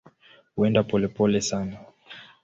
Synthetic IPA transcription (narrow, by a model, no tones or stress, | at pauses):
huɛndapɔlɛpɔlɛsana